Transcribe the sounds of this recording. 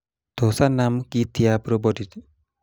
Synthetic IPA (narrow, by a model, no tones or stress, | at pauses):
d̪̥ʱosanamkit̪ijapɾɔbɔdit̪